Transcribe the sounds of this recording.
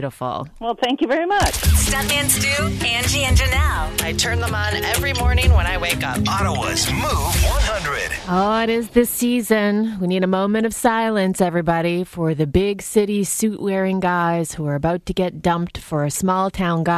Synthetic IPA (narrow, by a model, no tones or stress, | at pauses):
ɾəfl̩ˠwɛlˠθæ̃ŋkjɨvɛɹimʌt͡ʃstɛfɨ̃nsdʉæ̃nd͡ʒiɪ̃nd͡ʒə˞naʊaɪtʰɜ̃˞nðə̃mə̃nɛvɹimɔɹnɪ̃ŋwə̃ɾ̃aɪweɪkʌpɑɾowʌ̰zmuvwʌ̃nhʌ̃ndɹɨ̰d̥oʊɪɾɪzðɪsizɨ̃nwiniɾɨmõʊ̃mɨ̃ɾ̃ʌv̥saɪlˠɨ̃nsɛvɹibɑɾifə˞ðɨbɪɡsɪɾisʉʔwɛɹɪ̃ŋɡaɪz̥huə˞ɨbaʊtʰɨɡɛt̚d̥ʌ̃mp̚tfə˞ɨsmɔlˠtʰãʊ̃nɡɑ